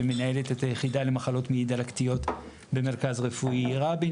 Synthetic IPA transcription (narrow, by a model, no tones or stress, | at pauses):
emenae̞letetajeχidale̞maχalo̞tmiid̪alaktijo̞t | be̞me̞ʁkazʁefuiʁabi